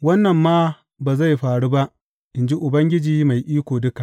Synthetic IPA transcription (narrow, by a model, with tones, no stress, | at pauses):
wɐ˦nːɐ˨mːaː˦ | baː˨za˦˨jɸaː˨ɽu˦ba˦ʔ | ʔɪ˨nd͡ʒi˦ʔʊ˨bɐ˦ŋɡʲɪ˦d͡ʒiː˦ma˨jʔiː˦kʷoː˨dʊ˦ka˨